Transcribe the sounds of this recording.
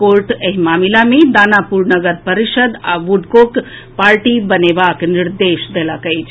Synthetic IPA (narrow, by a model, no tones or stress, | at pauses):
koɾʈeɦimaːmilamed̪anapuɾnəɡəɾpəɾiʃəd̪aʋuɖkok | paːɾʈibənebakniɾd̪eʃd̪elakəjt͡ʃʰ